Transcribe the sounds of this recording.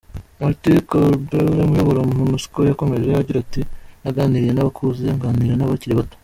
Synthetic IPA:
moɾtikobewemujoβoɾomunuskojako̞me̞ʒe̞aɟiɾatinaɡaːniɾije̞naβakʰuzeŋɡaːniɾiɾenaβaciɾiβato̥

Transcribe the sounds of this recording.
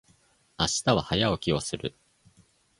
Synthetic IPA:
aɕi̥t̪aβahajaokʲiosɨɾɯ̟

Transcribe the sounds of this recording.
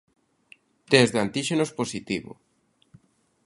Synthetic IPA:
t̪ezðant̪iʃenosposit̪iβo̰

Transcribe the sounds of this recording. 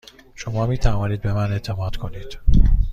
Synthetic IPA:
ʃo̞mɒːmiːt̪ʰævɒːniːd̪̚be̞mænet̪ʰːemɒːd̪̥kʰo̞niːd̪̥

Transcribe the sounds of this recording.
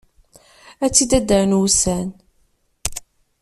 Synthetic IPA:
æt͡sːid̪æd̪əɾnusæn

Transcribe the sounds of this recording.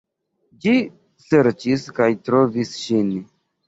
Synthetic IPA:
d͡ʒi | se̞ɾt͡ʃiskajtɾo̞visʃin

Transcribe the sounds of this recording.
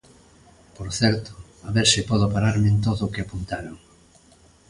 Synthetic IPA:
poɾθɛɾt̪o̥ | aβɛɾsɪpɔðopaɾaɾment̪oðokɪapunt̪aɾaŋ

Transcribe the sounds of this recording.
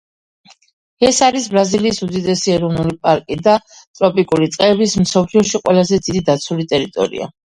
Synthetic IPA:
ɛsaɾisbɾaziliːsud̪id̪ɛsiɛɾɔvnulipʼaɾkʼid̪at̪ʼɾɔpʼikʼuɾit̪sʼqʼɛbismsɔpʰliɔʃiqʼwɛlazɛd̪id̪id̪at̪sʰulit̪ʼɛɾit̪ʼɔ̰ɾḭa̰

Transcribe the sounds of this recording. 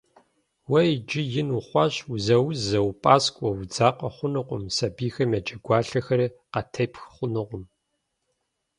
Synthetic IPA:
wɐjd͡ʒɪjɪnuχʷɑːɕuzɐwzɐwpʼaːskʷʼɔwd͡zaːqʼɐχʷʊnɨqʷʊmsɐbiːxɐmjɐd͡ʒʼɐɡʷɑːɬɐxɐɾiqɐtʰɐjpxχʷʊnɨqʷʼʊm

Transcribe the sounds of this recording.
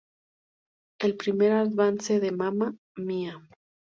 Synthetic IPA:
e̞lpɾime̞ɾaðβanseðe̞mama | mia

